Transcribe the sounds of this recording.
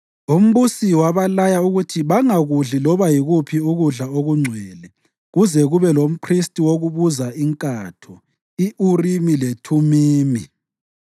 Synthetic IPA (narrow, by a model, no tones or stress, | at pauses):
um̩βusiwaβalajauɣutʰiβaŋaɣuɮilɔβajiɣupʰiuɣuɮaoɣuŋ͡ǀʱwɛːlɛ | ɣuzɛɣuβɛlom̩pʰristʼiwoɣuβuzaiŋkʼatʰɔ | iʔurimiletʰumiːmi